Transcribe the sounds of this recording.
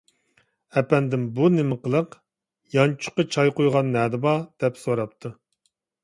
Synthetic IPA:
ɛpɛnd̪ɪmbunɪmɨqʰəlˠəq | jɑnt͡ʃʰʊ̥qət͡ʃʰɑjqojʁɑnːɛd̪ɪbɑd̪̥ɛpsoɾɑp̚t̪ʰu

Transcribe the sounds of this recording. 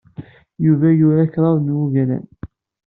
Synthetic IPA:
juvæjʊɾakɾˤɑðˤnwuʝælæ̰n

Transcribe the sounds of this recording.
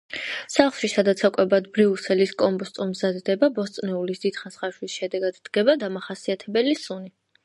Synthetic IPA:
saχlˠʃisad̪at̪sʰakʼwɛbad̪bɾiusɛliskʼɔmbɔst̪ʼumzad̪d̪ɛbabɔst̪sʼnɛulisd̪̥id̪χansχaʃlisʃɛd̪ɛɡad̪d̪̥ɡɛbad̪amaχasiat̪ʰɛbɛlisuni

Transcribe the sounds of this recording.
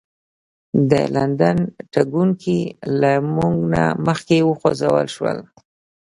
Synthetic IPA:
d̪ə̰land̪anʈaɡuŋkʰilamuŋɡna̰məxkewəxozawə̰lʃwə̰l

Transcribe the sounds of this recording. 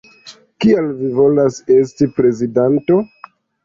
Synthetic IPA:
kialvivo̞lase̞stipɾe̞zidanto̞

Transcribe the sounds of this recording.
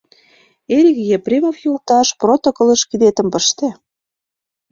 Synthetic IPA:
eɾʲɣijeprʲemofjult̪ɑʃprot̪okɤ̆lə̆ʃkid̪et̪ə̆mpə̆ʃt̪ĕ

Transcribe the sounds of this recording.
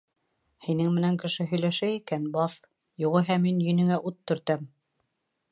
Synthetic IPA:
hinɘŋmɘ̆næŋkɘ̆ʃɘɦɵ̆jlæʃæikænbɑθ | juʁɤɦæmːinjɵ̆nɘ̆ŋæʔut̪ːɵ̆ɾt̪æm

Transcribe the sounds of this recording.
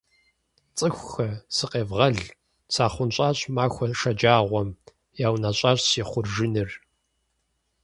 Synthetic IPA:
t͡sʼɨxʷxɐsɨqʼeːvʁɐɮ | t͡sʰaːχʷʊnɕʼaːɕʼmaːxʷɔʂɐd͡ʒaːʁʷɔm | jaːwnaɕʷʼaːɕsiːχʷʊrʒɪnɨr

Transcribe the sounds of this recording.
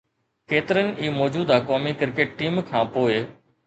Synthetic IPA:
keːt̪ɪɾənɪ̆iːmɔːd͡ʑuːd̪akɔːmikɪɾkeːʈʈiːmkʰãːpoːɪ

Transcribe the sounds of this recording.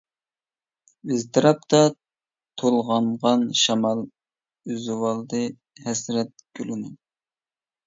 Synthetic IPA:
yzt̪ʰɨɾɑp̚t̪ʰɑ | t̪ʰolˠʁɑɴʁɑnʃɑmɑlˠ | yzwɑlˠd̪ɨ | hɛsɾɛt̪̚ɡʲylɪnɪ

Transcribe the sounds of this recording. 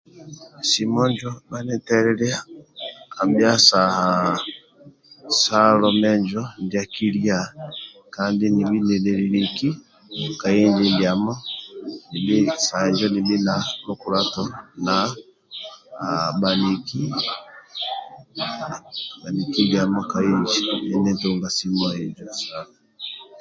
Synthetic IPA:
simɔɲd͡ʒɔbanɛtɛɾɛɾɛa | abjasaha | salɔmɛɲd͡ʒɔndjakilja | kandinibinɛlɛɾiɾiki | kaiɲd͡ʒindjamɔnibisahɛɲd͡ʒɔnibinalɔkuɾatɔna | baniki | banikiɡamɔkaiɲd͡ʒiɛnɛntuŋɡasimɔiɲd͡ʒɔsala

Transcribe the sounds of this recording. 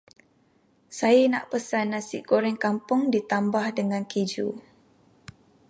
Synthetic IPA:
sajana̰ʔpəsanːãsɪʔkoɾɛŋkampʊŋdit̪ambahdəŋãnkid͡ʒṵ

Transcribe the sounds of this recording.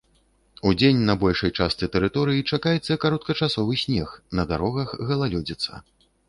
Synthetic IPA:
ud͡zʲenʲnɐbɔlʲʂɐjt͡ʂast̪sɨt̪ɛɾɨt̪ɔɾɨjit͡ʂakajɛt̪sːɐkaɾɔt̪̚kɐt͡ʂasɔvɨsʲnʲɛxnɐd̪aɾɔɣɐxɣɐlˠalʲɔd͡zʲit̪sɐ̰

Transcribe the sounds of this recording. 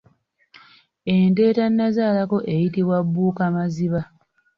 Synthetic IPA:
ente̞ːtanːazaːlako̞ʔe̞jitiβwabːuːkamaziβa

